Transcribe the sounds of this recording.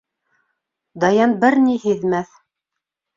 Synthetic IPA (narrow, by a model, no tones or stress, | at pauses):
d̪ɑjɑnbɘɾnihɘ̆ðmæθ